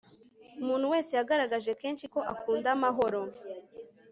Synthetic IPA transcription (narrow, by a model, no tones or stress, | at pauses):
umuːn̥huwe̞ːse̞jaɡaɾaɡaʒe̞ke̞ːnʃiko̞ʔakuːndamaɦo̞ɾo̞